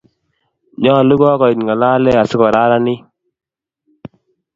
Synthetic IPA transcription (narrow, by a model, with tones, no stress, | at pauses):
ɲɔ˦˨lu˦ɡɔ˦kɔ˨i˨tŋa˨laː˦lɛ˦a˨sɪ˦kɔ˨ɾa˦ɾa˦ni˦